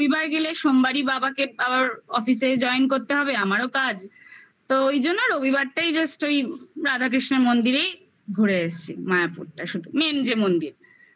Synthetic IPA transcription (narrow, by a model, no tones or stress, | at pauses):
bibaɾɡeleʃombaɾibabakeabaɾɔfis̬ed͡ʑɔenkoɾt̪eɦɔbeamaɾokad͡ʑ | t̪oojd͡ʑonːoɾobʱibaɾʈajd͡ʑasʈojɾad̪ʱakɾiʃneɾmond̪iɾej | ɡʱuɾeaʃt͡ɕʰimajapṵɾʈaʃud̪ʱumend͡ʑemond̪iɾ